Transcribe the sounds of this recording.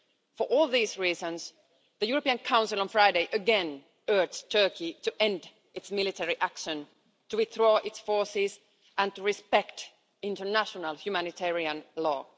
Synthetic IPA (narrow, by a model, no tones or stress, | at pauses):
fə˞ʔɔːlˠðiːzɹiːzə̃ns | ðɨjuɹəpiɨ̃nkʰãʊ̃nsɪlˠə̃nfɹaɪdeɪʔɨɡɛ̃n | ɜ˞d͡ʒstʰɜ˞kʰitɨʔɛ̃nd | ʔɨtsmɪlɨtʰɛɹiʔækʃə̃n | tɨwɪθɹɔːʔɪtsfɔɹsɪz | ʔə̃ntəɹɪspɛkt | ɪ̃ntənæʃənəlˠhjʉmænɪtʰɛɹiə̃nlɔ̰ː